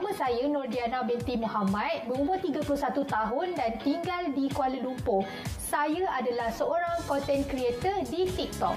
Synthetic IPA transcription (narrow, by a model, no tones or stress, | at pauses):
samə̃sajənɔrdianabɛnt̪imɔ̃hamãt̪̚məmubat̪iɡapulʊsat̪ut̪aɦʊndant̪iŋɡaldikualəlumpʊh | sajəadalahsəoɾaŋkɔnt̪ɛnkɾiet̪ərdit̪ik̚t̪ɔ̰k̚